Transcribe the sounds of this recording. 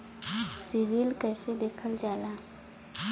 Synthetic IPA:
sɪʋiːlkɛːsed̪eːkʰəld͡ʒaːlaː

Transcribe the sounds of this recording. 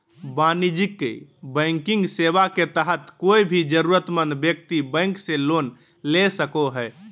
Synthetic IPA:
banid͡ʒikːḛbə̃ŋkĩŋɡseʋaket̪əɦət̪koibʱid͡ʒəɾuɾət̪mə̃nd̪bjək̚t̪ibə̃ŋkselon | lesəkoɦɛː

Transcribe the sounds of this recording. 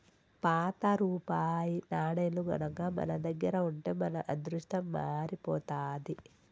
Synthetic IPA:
paːt̪ɐɾuːpaːjinaːɽɐjluɡɐ̰nɐɡaːmɐ̰nɐd̪ɐɡːɐɾɐuɳʈeːmɐnɐʔɐd̪ɾuʂʈɐmːaːɾipɔːt̪aːd̪i

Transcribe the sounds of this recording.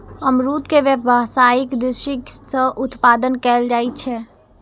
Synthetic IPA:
əmɾut̪keʋjəasaikd̪iʃiksəʔut̪pad̪ənkɛld͡ʒatt͡ʃʰɛ

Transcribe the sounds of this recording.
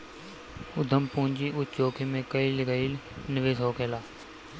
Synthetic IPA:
ʊd̪ʱəmpũːɲd͡ʒiːʔʊt͡ʃoːkʰemẽːkəiːlɡəiːlnɪʋeːsoːkʰeːlaː

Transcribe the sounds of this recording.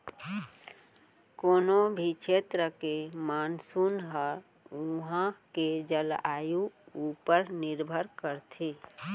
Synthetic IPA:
koːnobʱit͡ʃʰet̪ɾəkemaːnsunɦə | uɦãked͡ʒəlajuupəɾnɪɾbʱəɾkəɾt̪ʰe

